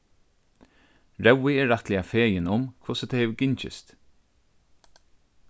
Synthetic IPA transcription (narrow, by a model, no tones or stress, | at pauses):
ɹɛwːɪɛːat̪lɪafeːjɪnʊmkʰvʊsət̪ʰɛjhɛʋɡɪɲt͡ʃɪ̰st̪